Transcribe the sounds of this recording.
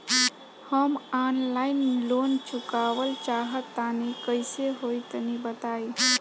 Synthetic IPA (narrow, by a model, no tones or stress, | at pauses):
həmanlaɪnlont͡ʃʰukaːwəlt͡ʃaːɦət̪ːanikəɪseɦojt̪ənibət̪aːi